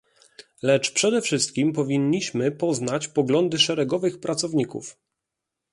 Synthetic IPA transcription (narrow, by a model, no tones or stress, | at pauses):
lɛt͡ʂpʂɛd̪ɛfʂɘst̪̚kʲimpɔvʲiɲːiɕmɘpɔznat͡ɕpɔɡlɔnd̪ɘʂɛɾɛɡɔvɘxpɾat̪sɔvɲikṵf